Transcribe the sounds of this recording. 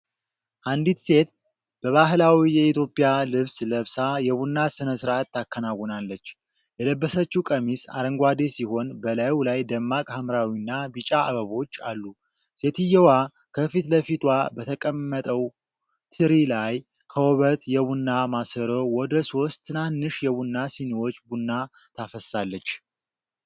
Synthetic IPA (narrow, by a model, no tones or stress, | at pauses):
ʔand̪it̪se̞t̪ | b̥əβaɦlawijɛit̪ʰjo̞pʼːijalɨβsləβsajɛβunːasɨnəsɨɾʔat̪ːakːənawɔnalːət͡ʃː | jɛləbːəsət͡ʃːukʼəmisa̰ɾəŋɡʷad̪esiho̞nbəlajwlajd̪əmːakʼhamɾawinːabit͡ʃʼaaβəβo̞t͡ʃːa̰lːu | set̪ʰɨjɛwa | kʰəfit̪ləfit̪ʼwabət̪ʰəkʼəmːət̪ʼəw | t̪ʰɨɾilaj | kʰəwɔβət̪jɛβunːamasəɾowɔd̪əso̞st̪ʰːɨnanːɨʃjɛβunːasiniwo̞t͡ʃːbunːa | t̪ʰafəsalːət͡ʃː